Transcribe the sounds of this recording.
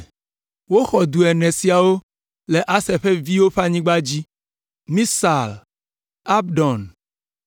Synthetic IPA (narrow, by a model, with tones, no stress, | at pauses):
wo˦xɔ˨d̪u˨ɛ˨nɛ̃˨si˨a˨wo˦ | le˨ʔa˦sɛ˨ɸe˦vi˦wo˦ɸa˦ɲĩ˦ɡ͡ba˦d͡ʑi˦ | mĩ˦sa˨l | a˦bɖɔ˨n